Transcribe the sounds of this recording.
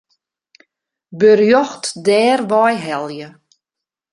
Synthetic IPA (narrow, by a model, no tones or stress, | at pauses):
børjɔxtdɛːrʋɔjɦɛlˠjə